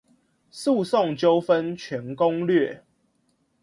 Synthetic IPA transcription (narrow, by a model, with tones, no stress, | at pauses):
su˥˨sɔ˥˨ŋt͡ɕjo˦ʊfə˦nt͡ɕʰɥɛ˨˦nko˦ŋlɥɛ˥˨